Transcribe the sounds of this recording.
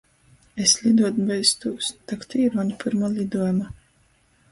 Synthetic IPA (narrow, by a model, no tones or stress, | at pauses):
eslʲid̪uɔd̪bɛjst̪ust̪akt̪ʰiɾvaɲpʲɨɾmalʲid̪uɔjma